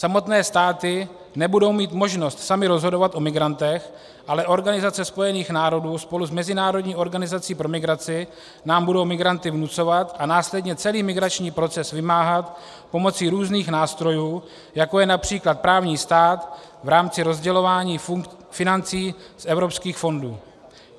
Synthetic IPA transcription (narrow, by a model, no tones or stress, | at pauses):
samo̞t̪nɛːst̪aːt̪ɪ | nɛbudo̞wmiːt̪mo̞ʒno̞st̪samɪɾo̞zɦo̞do̞vat̪ʔo̞mɪɡɾant̪ɛx | ʔalɛʔo̞ɾɡanɪzat͡sɛspo̞jɛniːxnaːɾo̞duːspo̞luzmɛzɪnaːɾo̞dɲiːʔo̞ɾɡanɪzat͡siːpɾo̞mɪɡɾat͡sɪ | naːmbudo̞wmɪɡɾant̪ɪvnut͡so̞vat̪ʔanaːslɛdɲɛt͡sɛliːmɪɡɾat͡ʃɲiːpɾo̞t͡sɛsvɪmaːɦat̪ | po̞mo̞t͡siɾuːzniːxnaːst̪ɾo̞juː | jako̞jɛnapr̝̥iːklat̪̚pɾaːvɲiːst̪aːt̪vɾaːmt͡sɪɾo̞zɟɛlo̞vaːɲiː | fɪnant͡siː | sʔɛvɾo̞pskiːxfo̞nduː